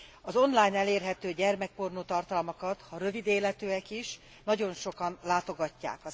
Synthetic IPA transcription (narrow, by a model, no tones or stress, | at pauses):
ɒzo̞nlaːjnɛleːrɦɛt̪øːɟɛrmɛk̚pornoːt̪ɒrt̪ɒlmɒkɒt̪hɒɾø̞vid̪eːlɛt̪øːɛkiʃ | nɒɟo̞nʃo̞kɒnlaːt̪o̞ɡɒcːa̰ːkɒ